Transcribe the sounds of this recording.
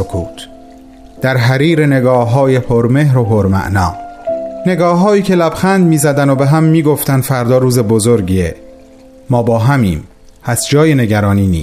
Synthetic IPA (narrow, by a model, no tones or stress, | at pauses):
okʰuːt̪ʰ | d̪̥æɾɦæɾiːɾe̞ne̞ɡɒːɦɒːjepʰoɾmehɾopʰoɾmæ̰ʔnɒːne̞ɡɒːɦɒːiːcʰelæb̥xænd̪miːzæd̪ænobe̞ɦæmːiːɡo̞ft̪ænd̪fæɾd̪ɒːɾuːze̞bozoɾɡiːe | mɒːbɒːɦæmiːm | hæsd͡ʒɒːjene̞ɟæɾɒːniːnḭː